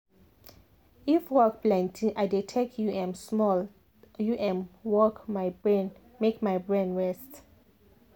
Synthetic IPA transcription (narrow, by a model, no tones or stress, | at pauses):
ifwɔk̚blɛ̃ntʰĩŋʔaɪditʰɛk̚juɛ̃msmɔl | juʔɛ̃mwɔkmaɪbɹɛ̃n | mekmaɪbɹɛ̃nɹɛst